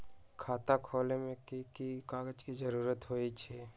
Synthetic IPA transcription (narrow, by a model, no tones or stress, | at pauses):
kʰaːt̪akʰoːlemẽkikikaːɡət͡ʃkizəɾuːɾət̪ɦoːit͡ʃʰɛː